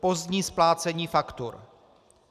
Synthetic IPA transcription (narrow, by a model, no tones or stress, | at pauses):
po̞zdɲiːsplaːt͡sɛɲiːfakt̪ṵɾ